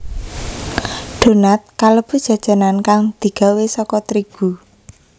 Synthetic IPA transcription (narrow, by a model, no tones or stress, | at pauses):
ɖ̪̥o̤nat̪̚kaləb̥ṳd̥ʒ̥ä̤d̥ʒ̥a̤nankaŋd̪̥i̤ɡ̥a̤wesɔkɔt̪ɾiɡ̥u